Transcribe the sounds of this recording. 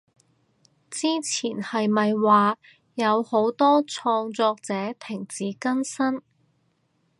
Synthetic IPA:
t͡siː˥t͡sʰiː˨˩nhɐ˨jmɐ˨jwaː˨ | jɐ˨˧who˨˥wt̪ɔː˥t͡sʰɔː˧ŋt͡sɔː˧k̚t͡sɛː˨˥t̪ʰɪ˨˩ŋt͡siː˨˥kɐ˥nsɐ˥n

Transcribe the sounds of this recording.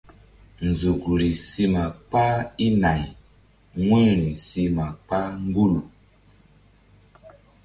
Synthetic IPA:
n˨zu˨ku˨ɾi˨si˦ma˨k͡pa˦i˦na˨j | ŋwe˦ɾi˨si˦ma˨k͡pa˦ŋ˦ɡu˦lu˨

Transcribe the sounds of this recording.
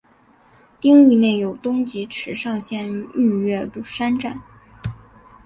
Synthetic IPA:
t̪i˥ŋy˥˧ne˥˩ɪjo˨˩ʊt̪ʊ˥ŋt͡ɕi˧˥ʈ͡ʂʰɻ̩˧˥ʂɑ˥˧ŋɕjɛ˥˧ny˥˧ɥɛ˥˧pu˥˩ʂa˥nʈ͡ʂa˥˩n

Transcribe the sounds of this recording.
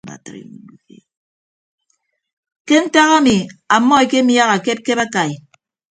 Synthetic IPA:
a̰˨tɾ̰ | ke˦n̩˦ta˦ɣa˦mi˨a˨mːɔ˦e˨ke˦mja˦ɣa˨ke˦p̚ke˦ba˦ka˨i˨

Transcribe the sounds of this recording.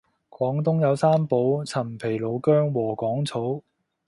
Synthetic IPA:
kwɔː˨˥ŋt̪ʊ˥ŋjɐ˨˧wsaː˥mpo˨˥wt͡sʰɐ˨˩mpʰe˨˩jlo˨˧wkœː˥ŋwɔː˨˩kɔː˨˥ŋt͡sʰo˨˥w

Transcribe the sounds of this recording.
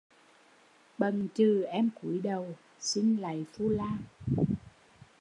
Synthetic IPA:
ɓə˨˩nt͡ɕɨ˨˩ʔɛ˧mku˧˩˦jɗə˨˩w | si˧nla̰˨jfu˧laː˧

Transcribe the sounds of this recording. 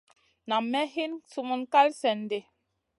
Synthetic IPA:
na˨mɛ˦ɦi˦nsu˦mu˦nka˦lsɛ˨n˨de˨

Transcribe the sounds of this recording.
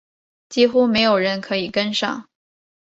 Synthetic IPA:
t͡ɕi˥xu˥me˧˥ɪjo˨˩ʊɻə˧˥nkʰɤ˧˥i˨˩kə˥nʂɑ̰˥˩ŋ

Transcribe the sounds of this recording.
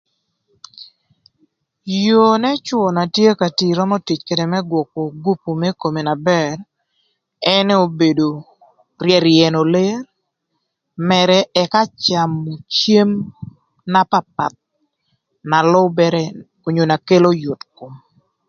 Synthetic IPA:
jo˨nɛ˦t͡ʃwɔ˨na˨tje˦ka˨ti˨ɾɔ˦mɔ˦ti˨t͡ʃke˨de˨mɛ˦ɡwɔ˨ko˨ɡu˦pu˨mɛ˦ko˨me˨na˨bɛ˦r | ɛ˦nɛ˦o˦be˨do˨ | rjɛ˨ɾɪɛ˨no˨le˦ɾ | mɛ˨ɾɛ˨ɛka˦t͡ʃa˨mu˨t͡ʃje˦m | na˦pa˦p̚a̰˨t̪̚ | na˨lɔ˦bɛ˦ɾɛ˦ | o˨ɲo˨na˨ke˦lo˦jo˨tko˨

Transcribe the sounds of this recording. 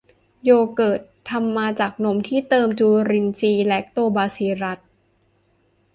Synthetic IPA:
joː˧kɤː˨˩t̪̚ʰːa˧mːaː˧t͡ɕaː˨˩k̚no˦˥mt̪ʰiː˥˩t̪ɤː˧mt͡ɕuː˧ɾi˧nt͡ɕiː˧lɛ˦˥k̚t̪oː˧baː˧siː˧ɾa˦˥t̪̚

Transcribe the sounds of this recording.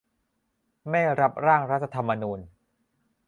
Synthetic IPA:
mɛ˥˩ɾa˦˥p̚ɾaː˥˩ŋɾa˦˥t̪̚ʰa˧t̪ʰa˧mːa˧nuː˧n

